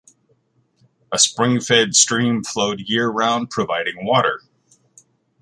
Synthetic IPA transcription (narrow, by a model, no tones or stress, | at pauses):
əspɹɪ̃ŋfɛdstɹ̥ĩɱfloʊd̚jɪɹɹãʊ̃n̚pʰɹ̥ɨvaɪɾɪ̃ŋwɔɾə˞